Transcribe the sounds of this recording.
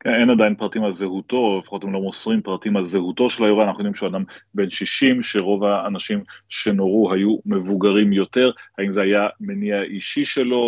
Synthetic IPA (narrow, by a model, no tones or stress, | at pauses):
keenadajinpʁatimalzeɦuto̞lefḁχo̞temlomosʁimpʁatimalzeɦuto̞ʃe̞lajoanaχnujod̪imʃeadambe̞nʃiʃimʃe̞ʁo̞vhaːnaʃimʃe̞no̞ʁuɦajume̞vuɡaʁimjo̞te̞ʁhaimzeajameniaʔiʃiʃe̞lo̞